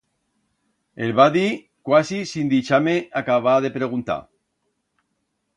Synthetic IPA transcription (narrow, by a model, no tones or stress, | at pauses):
elβaði | kwasisind̪it͡ʃameakaβ̞aðe̞pɾeɣ̞unt̪a̰